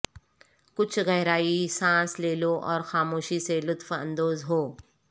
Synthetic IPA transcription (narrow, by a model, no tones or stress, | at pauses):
kʊt͡ʃʰɣɛɦɾaːisãːsleːloʔɔːɾxaːmoːʃiselʊt̪fɐ̰̃nd̪oːzɦoː